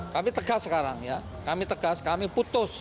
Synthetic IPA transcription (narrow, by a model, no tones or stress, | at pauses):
kamit̪əɡasːəkaɾaŋja | kamit̪əɡ̥askamiput̪ʊs